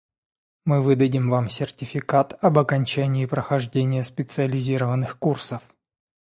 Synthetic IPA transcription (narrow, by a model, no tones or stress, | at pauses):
mɨvɨd̪ədʲɪmvamsʲɪrtʲɪfʲɪkat̪ɐbɐkɐnʲt͡ɕænʲɪːpɾəxɐʐdʲenʲɪjəspʲɪt̪sɨəlʲɪzʲiɾəvənːɨxkursəf